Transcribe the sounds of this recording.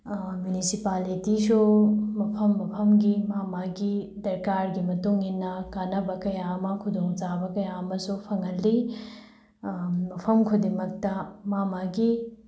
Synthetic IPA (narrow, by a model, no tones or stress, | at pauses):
mjunisipalitisumɐpʰɐmːɐpʰɐmɡimamaɡid̪ɐɾkaɾɡimɐtuŋɦinːɐkanɐbɐkɐjamɐkʰud̪oŋzabɐkɐjamɐsupʰɐŋɐlːi | mɐpʰɐmkʰud̪imɐk̚tɐmamaɡi